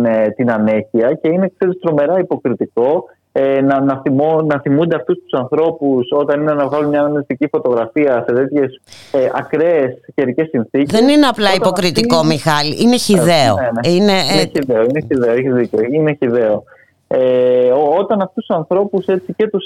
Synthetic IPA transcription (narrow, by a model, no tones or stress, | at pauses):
t̪inɐneçiɐce̞ine̞kse̞ɾist̪ɾo̞me̞ɾɐipo̞kɾit̪iko̞ | enɐnɐionɐθimund̪eɐft̪ust̪u̥sɐnθɾo̞puso̞t̪ɐninenɐvɣɐlunmɲɐːnɐmnist̪icifo̞t̪o̞ɣɾɐfiɐse̞t̪e̞t̪çe̞seʔɐkɾesceɾice̞sinθicðesnineɐplɐipo̞kɾit̪iko̞mixɐliʔine̞çiðe̞oenɐineiðeoineçiðeeçizðiceoineçiðe̞o | eot̪ɐnɐft̪ust̪u̥sɐnθɾo̞puse̞t͡sice̞t̪us